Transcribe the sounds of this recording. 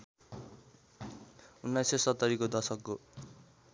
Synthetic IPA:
unːajsesʌt̪ːʌɾikod̪ʌsʌkːo

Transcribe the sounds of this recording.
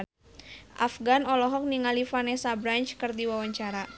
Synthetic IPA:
ʔa̰fɡanɔlɔɦɔk̚niŋalifanɛsabɾant͡ʃkɨrdiwawaɲt͡ʃaɾa

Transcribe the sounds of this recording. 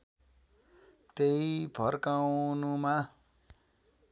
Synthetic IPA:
t̪eipʰʌrkawnuma

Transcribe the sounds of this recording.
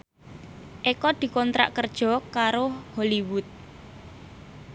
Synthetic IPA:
ʔekɔd̪̥i̤kɔnt̪ɾa̰ʔkərd̥ʒ̥ɔ̤kaɾoholiwʊt̪̚

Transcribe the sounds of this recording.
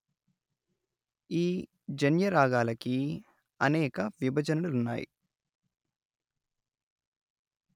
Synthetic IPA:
iː | d͡ʒɐnjɐɾaːɡaːlɐki | ɐnɛːkɐʋibʱɐd͡ʒɐnɐlulunːa̰ːjḭ

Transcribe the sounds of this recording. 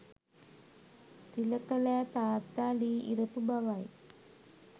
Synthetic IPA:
t̪ilɐkɐlat̪aːt̪aːliːḭɾɐpubaʋaj

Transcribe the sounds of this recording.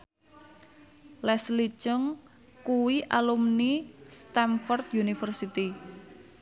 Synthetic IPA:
lɛslit͡ʃəŋ | kuwiʔalumnist̪amfɔrt̪junifərsit̪i

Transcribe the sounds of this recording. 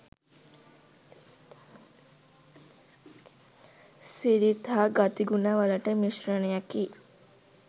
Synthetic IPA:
siɾit̪ʰaːɡat̪iɡunaːʋaləʈəmiʃɾənejakiː

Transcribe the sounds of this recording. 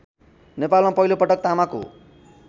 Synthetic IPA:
nepalmapʌɦilopʌʈʌk̚t̪amako̰

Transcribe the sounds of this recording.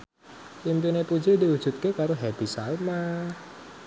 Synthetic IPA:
limpinepu̥d͡ʒediwud̥ʒ̥ṳt̪̚kekaɾoɦɛb̪̥i̤salmah

